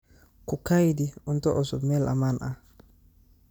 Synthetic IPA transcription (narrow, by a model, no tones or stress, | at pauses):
kukajdiuntɔʔɔsumɛlʔa̰manʔa